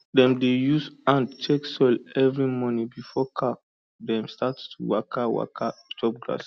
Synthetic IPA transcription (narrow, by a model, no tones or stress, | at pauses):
dɛ̃mdejusãntʰeksɔɪlɛvɹimɔnĩbifɔkʰa | dɛ̃mstattʰuwakʰawa̰kʰastʰɔp̚ɡla̰s